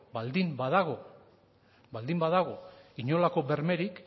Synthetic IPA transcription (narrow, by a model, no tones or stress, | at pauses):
bald̪imbaðaɣo | bald̪imbaðaɣ̞o̞iɲo̞lako̞βe̞ɾme̞ɾik